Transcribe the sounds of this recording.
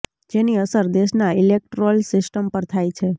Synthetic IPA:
d͡ʒeniəsəɾd̪eʃnailek̚ʈɾolsɪsʈəmpəɾt̪ʰajt͡ʃʰe

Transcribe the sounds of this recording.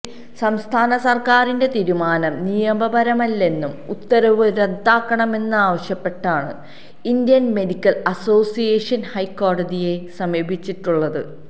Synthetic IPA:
sɐmst̪ʰaːnɐsɐrkaːɾinde̞t̪iːɾumaːnɐmnijɐmbɐbɐɾɐmɐlːe̞nːumut̪ːɐɾɐʋɨɾe̞d̪ːaːkːɐɳɐme̞nːɨaːʋɐɕjɐpːe̞ʈːaːɳɨ̰ | ind̪jɐnme̞dikʲːɐlɐso̞ːsijeːʂɐnhɐjkːo̞ːɽɐd͡ʑije̞sɐmjɐbʱit͡ɕːiʈːuɭːɐðɨ̰

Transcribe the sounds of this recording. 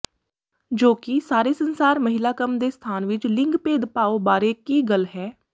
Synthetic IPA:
d͡ʒoːkɪsaːɾeːsənsaːɾməɦɪlaːkəmd̪eːst̪ʰaːnʋɪt͡ʃlɪŋɡpeːd̪paːoːbaːɾeːkiːɡəlɦɛː

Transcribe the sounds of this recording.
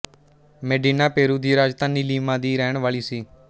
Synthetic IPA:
meːɖiːnaːpeːɾuːd̪iːɾaːd͡ʒt̪aːniːliːmãːd̪iːɾɛːɳʋaːɭiːsiː

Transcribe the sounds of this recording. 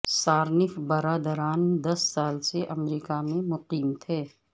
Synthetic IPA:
saːɾnɪfbɐɾaːd̪əɾaːnd̪ɐsːaːlseʔɐmɾiːkamẽmʊqiːmt̪ʰeː

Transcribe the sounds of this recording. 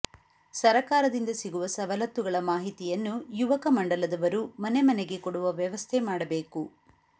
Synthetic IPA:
sɐɾɐkaːɾɐd̪ind̪ɐsiɡuʋɐsɐʋɐlɐt̪ːuɡɐɭɐmaːɦit̪ijɐnːujuʋɐkɐmɐɳɖɐlɐd̪ɐʋɐɾumɐnemɐneɡe̞koɽuʋɐʋjɐʋɐst̪ʰemaːɽɐbe̞ːku

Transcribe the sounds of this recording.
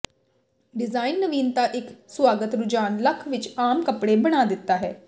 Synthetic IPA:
ɖɪzaːɪnːəʋiːnt̪aːʔɪkswaːɡət̪ɾʊd͡ʒaːnləkʰʋɪt͡ʃaːmkəpɽeːbəɽ̃aːd̪ɪt̪ːaːɦɛː

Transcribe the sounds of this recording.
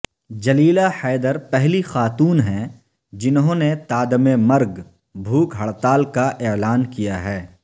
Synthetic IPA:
d͡ʒɐliːlaħɛːd̪əɾpɛɦlixaːt̪uːnɦɛ̃ | d͡ʒɪnɦõːnet̪aːd̪əmemɐɾɡ | bʱuːkɦɐɭt̪aːlkaʔeːlaːnkijaɦɛː

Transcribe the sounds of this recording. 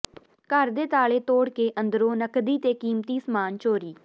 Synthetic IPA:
kəɾd̪eːt̪aːɭeːt̪oːɽkeːʔə̃nd̪ɾõːnəkd̪iːt̪eːkiːmt̪iːsmaːnt͡ʃoːɾiː

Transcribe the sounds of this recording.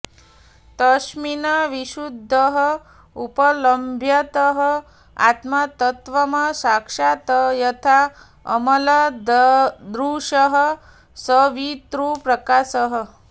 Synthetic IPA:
t̪əʃminɐʋiʃud̪ʱːəɦə | upələmbʱjɐt̪əɦə | a̰t̪mat̪ət̪ʋɐmɐsakʂat̪əjɐt̪ʰa | ɐ̰mɐlɐ | d̪ɾuːʃəɦə | səʋit̪ɾupɾɐkaːsəɦə

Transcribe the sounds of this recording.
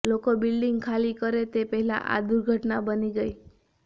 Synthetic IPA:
lokobilɖiŋɡkʰalikəɾet̪epəɦila̰ʔa̰d̪uɾɡʱəʈnabəniɡəj

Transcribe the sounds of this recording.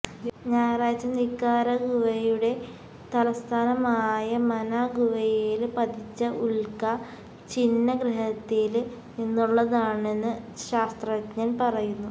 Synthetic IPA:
ɲaːjraːd͡ʑɐnikːaːɾɐɡuʋɐjuɽe̞ | t̪ɐlɐst̪ʰaːnɐmaːjɐmɐnaɡuʋɐjeːlpɐt̪ʰit͡ɕːɐʔuɭkɐ | t͡ɕinːɐɡɾɐɦɐt̪ːil | inːuɭːɐðaːɳe̞nːɨɕaːst̪rɐɐt̪ɲɐnpɐrɐjunːu

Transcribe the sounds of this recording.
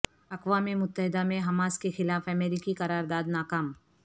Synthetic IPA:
ɐkwaːmimʊt̪ːəɦɪd̪amẽɦɐmaːskexɪlaːfɐmɛːɾɪkiqɐɾaːɾd̪aːd̪naːkaːm

